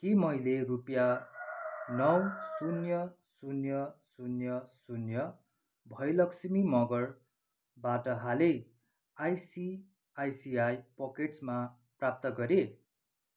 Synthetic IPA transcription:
kimʌjlerupja | nʌwsunjʌsunjʌsunjʌsunjʌ | bʱʌjlʌksimimʌɡʌr | baʈʌɦale | ajsi | ajsiajpʌkeʈsma | prap̚t̪ʌɡʌɾe

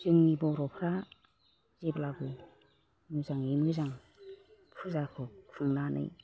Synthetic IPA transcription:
zɯŋnibɔɾɔpʰɾa | zeblaɡɯ | mɯzaŋimɯzaŋ | pʰuzakʰɯuŋnanʔɯ̰j

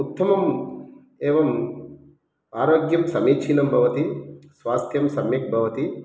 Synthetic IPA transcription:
ut̪ːɐmɐm | eːʋɐm | aːɾoːɡjɐmsɐmiːʃʰinɐmbʱɐʋɐt̪isʋaːst̪ʰjɐmsɐmjɐk̚bʱɐʋɐt̪i

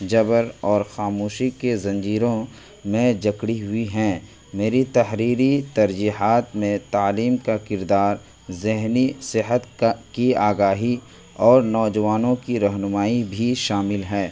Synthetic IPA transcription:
d͡ʒɐbəɾɔːɾxaːmoːʃikezɐ̃ɲd͡ʒiːɾõ | mẽd͡ʒɐkɽiɦʊiɦɛ̃ː | meːɾit̪ɐɦɾiːɾit̪ɐɾd͡ʒiːɦaːt̪mẽt̪aːliːmkakɪɾd̪aːɾ | zɪɦnisɪɦət̪kiaːɡaːɦi | ɔːɾnɔːd͡ʒəʋaːnõkiɾɐɦnʊmaːibʱiʃaːmɪlɦɛː

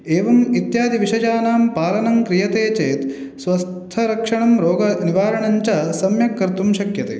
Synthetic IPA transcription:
eːʋɐmit̪jaːd̪ʱiʋiʂɐd͡ʒaːnaːmpaːlɐnɐŋkɾijɐt̪eːt͡ʃeːt̪ | sʋɐst̪ʰɐɾɐkʂɐɳɐmɾoːɡɐniʋaːɾɐɳɐɲt͡ʃɐsɐmjɐkːɐɾt̪umʃɐkjɐt̪ḛː

